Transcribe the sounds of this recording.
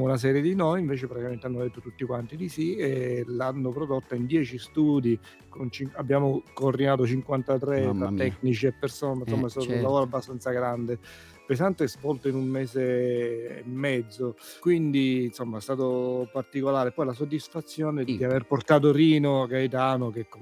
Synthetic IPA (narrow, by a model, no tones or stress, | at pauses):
ɔnas̬ɛːɾjed̪inojiɱveːt͡ʃepɾat̪ikament̪eanːod̪et̪ːot̪ut̪ːikwant̪id̪isielanːopɾod̪ot̪ːaind̪jɛːt͡ʃist̪uːd̪i | kont͡ʃiŋabːjaːmokoːrd̪inaːt̪̬ot͡ʃiŋkwant̪at̪ɾet̪ɾat̪ːɛknit͡ʃiepːersoːnensomːast̪aːt̪oulavoːɾoabːast̪ant̪saɡɾand̪e | pesant̪eɛzvɔlt̪oinumːeːsḛː | mːɛd̪zːokwind̪insomːaɛst̪aːt̪opart̪ikolaːɾepːɔjlas̬od̪ːisfat̪sːjoːned̪iaverport̪aːt̪̬oɾiːnoakait̪aːnok̟ekːo